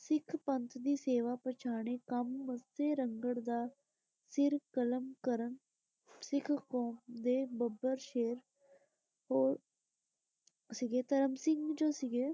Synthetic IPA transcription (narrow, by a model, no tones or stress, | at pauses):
sɪkʰpənt̪ʰd̪iːseːʋaːpət͡ʃʰaːɳ̃eːkəmːəseːɾəŋɡəɽd̪aː | sɪɾkələmkəɾəm | sɪkʰkoːmd̪eːbəbəɾʃeːɾ | ɦoː | sɪɡeːt̪əɾəmsɪŋɡd͡ʒoːsɪɡeː